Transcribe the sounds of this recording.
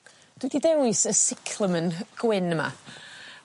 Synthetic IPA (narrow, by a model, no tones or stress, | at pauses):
d̥wididɛwɨsəsɪkʰlˠəmənɡ̥wɪnəma̰